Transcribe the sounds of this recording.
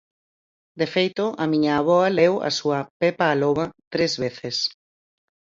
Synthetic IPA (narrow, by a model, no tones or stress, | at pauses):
d̪efejt̪ʊʔɐmĩɲaːβ̞ɔɐlewɐ̰suɐpepaːloβɐt̪ɾezβeθes